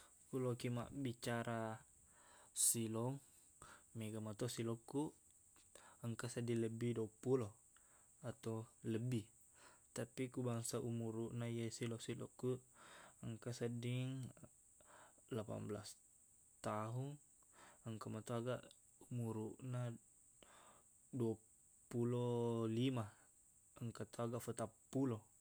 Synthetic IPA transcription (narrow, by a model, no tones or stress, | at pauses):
kulokima̰ʔbit͡ʃaɾʔa | silɔŋ | meɡamat̪osilɔkːuʔ | əŋkasadiləbidopulɔ | at̪owləbi | t̪apikubaŋsaʔumuɾuʔnajasilɔsilɔ̰kːu | əŋkasadiŋ | lapa̰mblas | t̪aɦun | əŋkamat̪uaɡaʔ | umuɾuʔna | dua | pulolima | əŋkat̪uaɡaʔfət̪apːulo